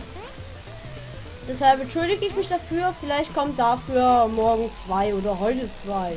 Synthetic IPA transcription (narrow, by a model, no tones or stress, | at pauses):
d̥ɛshalpɛntʃʊldɪɡəɪçmɪçd̥afyːɐfɪlaɪçt̚kʰɔmtd̥afyːɐmɔɐɡŋ̩t͡sv̥aɪoːdɐɦɔʏtət͡sv̥aɪ